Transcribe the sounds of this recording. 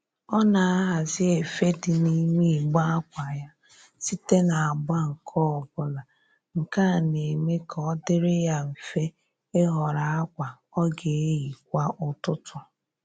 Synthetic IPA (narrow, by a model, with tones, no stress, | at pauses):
ɔ˦na˨a˦ɦa˨zɪ˦e˨fe˦dɪ˨ni˦ŋe˦˨ɡ͡ba˦a˦kʷa˨ja˦ | si˦te˦na˨a˨ɡ͡ba˦ŋ̩˨kʰɔ˦ɔ˨bʊ˨la˨ | ŋ̩˨ka˦˨ne˨me˦kɔ˦dɪ˦ɾɪ˦ja˦m̩˨fe˦ | ɪ˦ɦɔ˨ɾa˨a˦kʷa˨ | ɔ˦ɡe˨e˦ji˨kʷa˦ʔʊ˦tʊ˦tʰʊ˨